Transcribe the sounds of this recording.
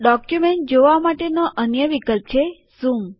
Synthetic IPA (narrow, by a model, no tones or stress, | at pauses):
ɖɔkjumeɳʈ̚d͡ʒoʋamaʈenoʔənjəʋikəlp̚t͡ʃʰe | z̥um